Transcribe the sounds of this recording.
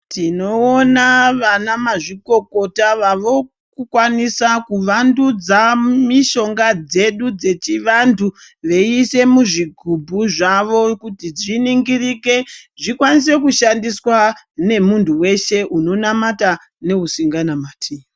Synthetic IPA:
tino̞ːnaʋanamaʐiko̞ko̞taʋaʋo̞ | kukwanisakuʋandud͡zamiʃo̞ŋɡad͡ze̞ɗud͡ze̞t͡ʃiʋandʰuʋe̞ːse̞muʐiɡʱubʱuʐaʋo̞kutiʐiniŋɡirike̞ʐikwanis̬e̞kuʃandiswa | ne̞muntuwe̞ʃe̞ʔuno̞namata | ne̞usiŋɡanamaːtʰi

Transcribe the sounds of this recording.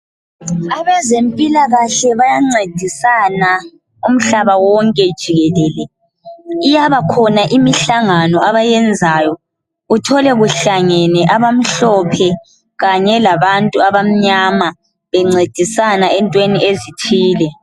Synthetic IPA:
aβɛzempʼilaɣaɬɛβajaŋ͡ǀed̥ʱisana | um̩ɬaβawɔŋkʼɛd̥ʒ̥ʱiɣɛlɛlɛ | ijaβakʰɔnaʔimiɬaŋanɔaβajɛnd͡zʱaːjɔ | utʰɔlɛɣuɬaŋɛnɛʔaβam̩ɬɔpʰɛ | ɣaɲɛlaβantʼuaβam̩ɲama | βɛŋ͡ǀed̥ʱisanaɛntʼweniʔezit͡ʃʰiːlɛ

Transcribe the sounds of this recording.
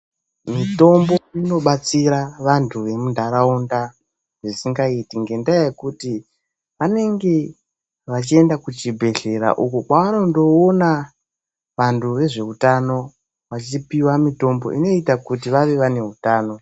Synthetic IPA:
mito̞mbo̞ino̞ɓat͡siɾaʋantʰuʋe̞mundʱaɾaunda | ʐisiŋɡaitiŋɡe̞ndajekuti | ʋane̞ŋɡe̞ | ʋat͡ʃie̞ndakut͡ʃibʱe̞ɬe̞ɾa̰ʔukukwaano̞ndo̞ːna | ʋantʰuʋe̞ʐe̞utano̞ | ʋat͡ʃipiwamito̞mbo̞̰ʔino̞itakutiʋaʋe̞ʋane̞ɦutaːno̞

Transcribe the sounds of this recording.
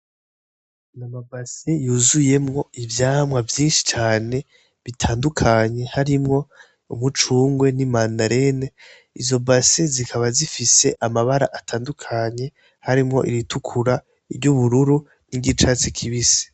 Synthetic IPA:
namabasejuzuje̞mŋo̞ivjaːmwavjiːnʃi̥t͡ʃaːne̞ | βitʰaːndukʰaɲe̞haɾimŋo̞ | ṵmut͡ʃuːŋɡwe̞nimandaɾe̞ne | izo̞basezikʰaβazifise̞ʔamaβaɾa̰ʔatʰaːndukʰaɲe̞ | haɾimŋo̞ʔiɾitukʰuɾa | iɾɟuβuɾuɾu | niɟit͡ʃat͡sikʰiβise̥

